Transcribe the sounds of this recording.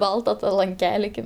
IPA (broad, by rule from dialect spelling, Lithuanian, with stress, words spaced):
ˈbɐlˠtɐ lˠɐŋʲˈkʲæːlʲɪ ˈkɐɪp